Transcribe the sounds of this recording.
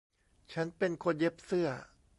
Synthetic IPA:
t͡ɕʰa˦˥npe˧nkʰo˧nje˦˥p̚sɯ˥˩ɐ

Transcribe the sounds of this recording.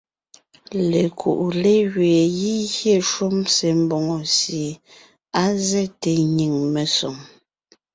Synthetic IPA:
le˨kʰṵ˨ʔu˨le˦ɣɥeː˨ji˦ɣje˦˨ʃu˦mse˨m˦bɔ˨ŋɔ˨sje˨ | a˦zɛ˦te˨ɲi˨ŋme˨sɔ˨ŋ

